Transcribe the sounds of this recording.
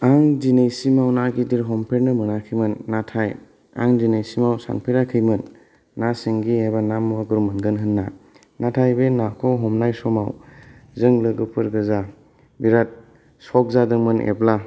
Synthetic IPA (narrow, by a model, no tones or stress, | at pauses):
aŋzinejsimawnaɡidiɾɦɔmpʰeɾnɯmɯnakʰijmɯnːatʰaj | a̰ŋzinejsimawsa̰npʰeɾakʰɯjmɯnː | asiŋɡiebanamwaɡuɾmɯnɡɯnɦɯnːa | natʰajbenakʰɔwɦɔmnajsɔmawzɯŋlɯɡɯpʰɯɾɡɯza | biɾat̚ | sɔk̚zadɯŋmɯnʔḛbla